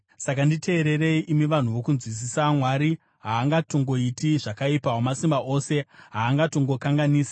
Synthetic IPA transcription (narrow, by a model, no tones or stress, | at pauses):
sakanditʰe̞ːɾe̞re̞iʔimiʋan̤uʋo̞kunzwis̬isamwaɾi | ɦaːŋɡatoŋɡo̞itiʐakaipawomasimbaʔo̞ːse̞ɦaːŋɡato̞ŋɡo̞kaŋɡaniːsḁ